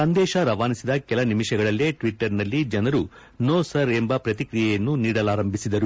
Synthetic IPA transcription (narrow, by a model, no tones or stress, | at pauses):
sɐnd̪ɛːʃɐɾɐʋaːnisid̪ɐkɛlɐnimiʂɛɡɐɭɐlːeːʈʋiʈːɐɾnɐlːid͡ʒɐnɐɾu | noːsɐɾe̞mbɐpɾɐt̪ikɾijɛjɐnːuniːɽɐlaːɾɐmbʱisid̪ɐɾu